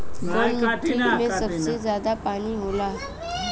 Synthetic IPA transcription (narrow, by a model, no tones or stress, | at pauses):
əməimẽsəbsed͡zjad̪apaɽ̃iːɦola